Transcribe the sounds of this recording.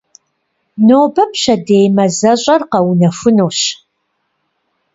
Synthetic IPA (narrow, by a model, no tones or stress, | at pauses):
noːbɐpɕɐdeːjmɐzɐɕʼɐrqɐwunɐfʊnoːɕ